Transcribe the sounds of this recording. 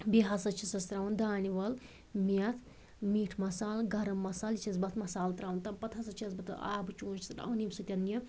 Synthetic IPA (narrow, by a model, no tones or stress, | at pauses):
biɦasɐt͡ʃʰisɐst̪ɾaːwund̪aːniʋɐl | mɐt̪ʰ | miːʈʰmɐsaːlɡɐɾɐmːɐsaːlit͡ʃʰɐsbɐt̪ʰmɐsaːlt̪ɾaːwunt̪ɐmpɐt̪ʰɐsɐt͡ʃʰɐsbɐt̪ɐ̰aːbɨt͡ʃuːnt͡ʃʰi̥t̪ʈɐ̰wnimsut̪ʲɐnjɐ